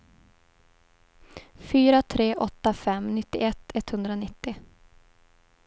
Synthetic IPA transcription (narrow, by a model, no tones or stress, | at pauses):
fyːɾat̪ʰɾeːʔɔt̪ːafɛmnɪt̪ːɪ̰ɛt̪ːɛt̪hɵnd̪ɾanɪt̪ːɪ